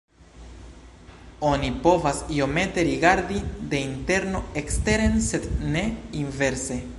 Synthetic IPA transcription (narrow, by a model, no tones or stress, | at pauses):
o̞nipo̞vasio̞me̞te̞ɾiɡaɾdide̞inte̞ɾno̞ekste̞ɾe̞nse̞dne̞inve̞ɾse̞